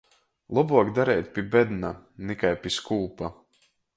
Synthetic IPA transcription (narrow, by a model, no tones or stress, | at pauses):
lˠɔbuɔkd̪aɾɛːt̪̚ʲpʲibɛd̪nanikajpʲiskuːpa